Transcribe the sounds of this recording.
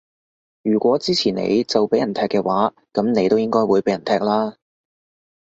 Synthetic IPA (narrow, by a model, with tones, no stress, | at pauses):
jyː˨˩kʷɔː˨˥t͡siː˥t͡sʰiː˨˩nḛ˨˧jt͡sɐ˨wpe˨˥jɐ˨˩nt̪ʰɛː˧kːɛː˧waː˨˥ | kɐ˨˥mne˨˧jt̪o˥wjɪ˥ŋkɔː˥jwuː˨˧jpe˨˥jɐ˨˩nt̪ʰɛː˧k̚laː˥